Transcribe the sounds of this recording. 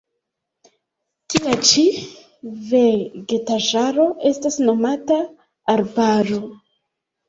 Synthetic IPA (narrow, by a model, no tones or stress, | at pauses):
tiat͡ʃi | ve̞ɡe̞taʒaɾo̞ʔe̞stasno̞mataː | ɾbaɾo̞